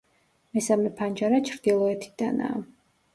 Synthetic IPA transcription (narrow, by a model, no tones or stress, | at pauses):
mɛsamɛpʰand͡ʒaɾat͡ʃʰɾd̪̥ilˠɔɛt̪ʰi̥d̪̥ana̰ː